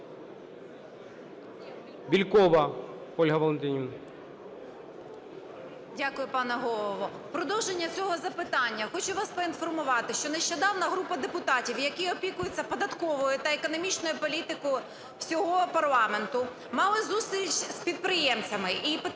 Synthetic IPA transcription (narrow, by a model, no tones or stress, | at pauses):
bʲilʲkɔʋɐɔlʲɦɐʋɐlˠent̪ʲinʲin | dʲakʊjʊpɑnɛɦɔlˠɔʋɔ | pɾɔd̪ɔwʒenʲːɐt͡sʲɔɦɔzɐpɪt̪ɑnʲːɐxɔt͡ʃʊʋɑspɔinfɔrmʊʋɑt̪ɪʃt͡ʃɔneʃt͡ʃɔd̪ɑwnɐɦɾupɐd̪epʊt̪ɑtʲiwjɐkiɔpʲikʊjɪt͡sʲːɐpɔd̪ɐt̪kɔʋɔjʊt̪ɐekɔnɔmʲit͡ʃnɔjʊpɔlʲit̪ɪkɔjʊ | wsʲɔɦɔpɐrlˠɑment̪ʊ | mɑlˠɪzusʲt̪ʲɾʲit͡ʃspʲit̪̚pɾɪjɛmt͡sʲɐmɪʔip